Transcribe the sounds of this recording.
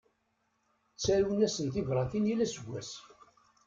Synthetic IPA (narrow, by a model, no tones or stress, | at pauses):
t͡sːæɾuwnæsənt̪ivɾˤɑθinjilæsəɡʷːæs